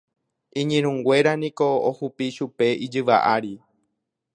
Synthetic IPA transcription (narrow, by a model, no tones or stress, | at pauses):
ĩɲĩɾ̃ũŋɡʷe̞ɾanĩko̞ohupiʃupe̞id͡ʒɨʋa̰ʔaɾi